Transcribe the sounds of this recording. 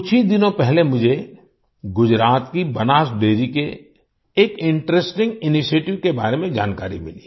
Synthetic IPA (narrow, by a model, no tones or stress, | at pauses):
ʊt͡ʃʰid̪ɪnõpɛɦlemʊd͡ʒʱe | ɡʊd͡ʒɾaːt̪kibɐnaːʃɖeːɾikeː | kɪ̃ɳʈɾesʈɪ̃ŋɡɪniʃeːʈɪʋkeba̰ːɾemẽd͡ʒa̰ːnkaːɾḭmɪliː